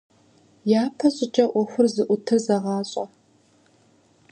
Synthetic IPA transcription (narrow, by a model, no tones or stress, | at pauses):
jaːpʰɐɕʼɪt͡ʃʼɐʔʷɔxʷʊrzɨʔʷʊtʰɨrzɐʁɑːɕʼɐ